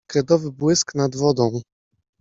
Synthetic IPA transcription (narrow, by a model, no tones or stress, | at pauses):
kɾɛd̪ɔvɘbwɘsknad̪vɔd̪ɔ̃w̃